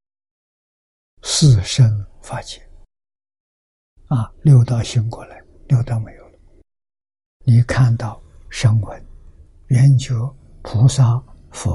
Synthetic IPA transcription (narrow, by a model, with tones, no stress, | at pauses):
sɹ̩˥˩ʂə˥nfa˥t͡ɕʰɛ˥˩n | a˧ljo˥˧ʊt̪ɑ˥˩ʊɕi˥ŋkwɔ˧˥˩la˧˥˦ɪ | ljo˥˧ʊt̪ɑ˥˧ʊme˧˥ɪjo˧ʊl | ni˨˩˦kʰa˥˧nt̪ɑ˥˩ʊ | ʂə˥ŋwə˧˥n | ɥɛ˧˥nt͡ɕjo˧˥ʊ | pʰu˧˥sa˥ | fɔ˧˥